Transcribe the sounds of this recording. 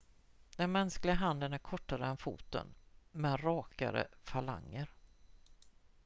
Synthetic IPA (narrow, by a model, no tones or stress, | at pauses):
d̪̥ɛnmɛnsklɪɡaɦand̪ənæɾkʰɔʈːaɾəɛnfṵːt̪ə̰nmɛd̪ɾɑːka̰ɾə̰fala̰ŋːəɾ